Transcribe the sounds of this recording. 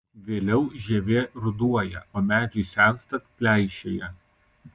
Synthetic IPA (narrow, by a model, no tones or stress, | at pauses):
ʋʲeːlʲɛʊʒʲiːʋʲeːɾʊd̪uɔjɛoːmʲæːd͡ʒʲʊɪsʲæˑnst̪ɐt̪pʲlʲæˑɪʃʲeːjɛ